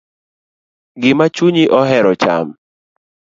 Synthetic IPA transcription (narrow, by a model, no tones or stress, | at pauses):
ɡɪmat͡ʃuɲiʔɔɦɛɾɔt͡ʃa̰m